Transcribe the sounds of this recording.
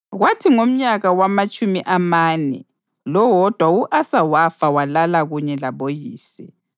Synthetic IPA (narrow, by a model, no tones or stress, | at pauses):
ɣwatʰiŋom̩ɲaɣawamat͡ʃʼumiʔamaːnɛ̰ | lɔwɔd̥ʱwauʔasawafawalalaɣuɲɛlaβojiːsi